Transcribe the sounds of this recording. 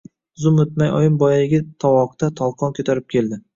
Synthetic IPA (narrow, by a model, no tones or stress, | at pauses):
zʊmɵt̪majɒ̰jɪmbɒjaɪɡʲɪt̪ʰɒwɒqt̪at̪ʰɒlˠqʰɒnkʲʰɵt̪aɾɪp̚kʲʰe̞ld̪ɪ